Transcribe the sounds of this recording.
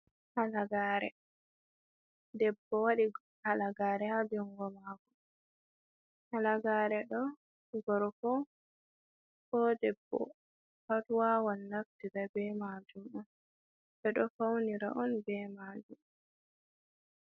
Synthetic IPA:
halaɡaɾɛ̰ | dɛbːɔwaɗi | halaɡaːɾɛhad͡ʒɔŋɡɔmaɡɔ | halaɡaːɾɛɗɔ | ɡɔɾkɔ | kɔdɛbːɔ̰ | hatwawanːaftidabɛmad͡ʒumɔn | bɛɗɔfawniɾa̰ʔɔnbɛmad͡ʒum

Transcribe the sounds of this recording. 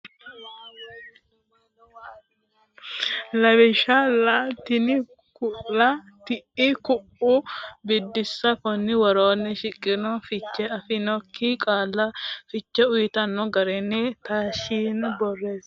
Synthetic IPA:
lɐβɛʃɐlat̪ɪnɪ | kʊlɐ | t̪ɪʔɪkʊʔʊbɪd̪ːɪsːɐkɔnːɪwɐɾoːnːɛʃɪkʼːɪnɔfɪt͡ʃːɛɐfɪnɔkʰːikʼaːlːɐfɪt͡ʃːɛʊjɪt̪ɐnːɔɡɐɾɛnːɪt̪aːʃiːnbɔrːeːs

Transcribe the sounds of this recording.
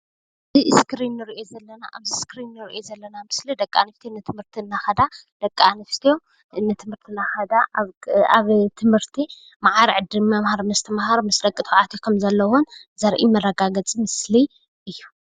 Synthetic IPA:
ziɨskɾinːɨɾiʔo̞zɐlːɐna̰ʔa̰βziskɾinːɨɾḭʔozɐlːɐnamɨslid̪ɐkʼa̰nɨft̪ʰijonːɨt̪ʰɨmhɨɾt̪ʰinːaxɐd̪ad̪̥ɐkʼːanɨft̪ʰio̞ | nɨt̪ʰɨmhɨɾt̪ʰinaxɐd̪a | aβt̪ʰɨmhɨɾt̪ʰi | maʕaɾiʕɨd̪ɨmːamhaɾmɨst̪ʰɐmhaɾmɨsd̪ɐkʼit̪ʰʕat̪ʰikʰɐmzɐlːɐwunzɐɾʔḭmɐrɐɡaɡɐt͡sʼimɨsli | ʔɨjːu

